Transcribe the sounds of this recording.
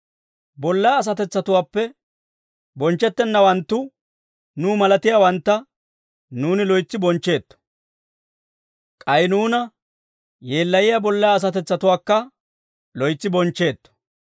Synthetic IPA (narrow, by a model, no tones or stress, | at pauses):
bɔlːɐjːs̬ɐt̪ɛt͡sːɐt̪ʊwaːpːɛ | bɔnt͡ʃːɛt̪ːɛnːɐwɐnt̪ːʊ | nuːmɐlɐt̪ɪjaːwɐnt̪ːɐ | nuːnɪlɔjt͡sːɪbɔnt͡ʃːe̞ːt̪ːɔ̥ | kʼɐjnuːnɐ | je̞ːlːɐjɪjabɔlːɐjaːs̬ɐt̪ɛt͡sːɐt̪ʊwaːkːɐ | lɔjt͡sːɪbɔnt͡ʃːe̞ːt̪ːɔ̥